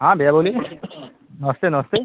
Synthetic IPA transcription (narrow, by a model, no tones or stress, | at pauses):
ɦãbeaboli | nɔst̪enɔst̪e